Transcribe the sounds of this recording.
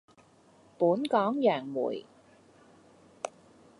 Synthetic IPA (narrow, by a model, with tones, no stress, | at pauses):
puː˨˥nkɔː˨˥ŋjœː˨˩ŋmṵː˨˩j